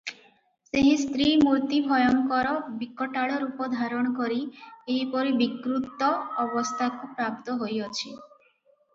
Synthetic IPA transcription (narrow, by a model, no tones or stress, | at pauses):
seɦist̪ɾimuɾt̪ibʱɔjɔŋkɔɾɔbikːɔʈaɭɔɾupɔd̪ʱaɾɔɽ̃ɔkɔɾieɦipɔɾibikɾut̪ɔːbɔst̪ʰakupɾap̚t̪ɔɦojɔt͡ʃʰi